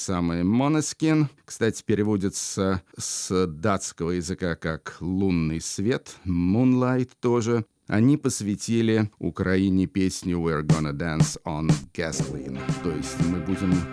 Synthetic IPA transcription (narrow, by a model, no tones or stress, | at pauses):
samɨjmonəsʲkʲinkst̪atʲɪ̥pʲɪɾʲɪvodʲɪt̪səsd̪at̪skəvəjɪzɨkakaklˠunːɨjsvʲe̞t̪munlˠajt̪ːoʐɨ | ɐ̰nʲipəsvʲɪtʲilʲɪʊ̰kɾɐinʲɪpʲesʲnʲʊvɛrɡonəd̪ansənɡ̥ɛslʲḭnt̪ojɪsʲtʲmɨbudʲɪm